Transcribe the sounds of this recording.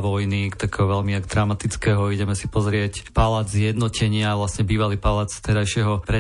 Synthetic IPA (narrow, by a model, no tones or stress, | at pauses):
ʋɔjnikt̪akɛːɦɔʋɛʎmiaɡd̪ɾaʊmat̪it͡skɛːɦɔiɟɛmɛsi̥pɔzɾɪɛcpalaːd͡zzjɛd̪nɔcɛɲɪaʋlasɲɛbiːʋaliːpalaːt͡st̪ɛɾajʃɪɛɦɔpɾɛ